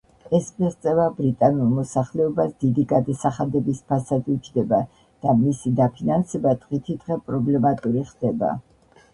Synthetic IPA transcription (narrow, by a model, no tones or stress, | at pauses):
ɛsmiʁt̪sʼɛvabɾit̪ʼanulˠmɔsaχlɛɔbasd̪id̪iɡad̪asaχad̪ɛbispʰasad̪ut͡ʃʰd̪ɛba | d̪̥amisid̪apʰinansɛbad̪ʼʁit̪ʰid̪ʁɛpʼɾɔblɛmat̪ʼuɾiχd̪̥ɛba̰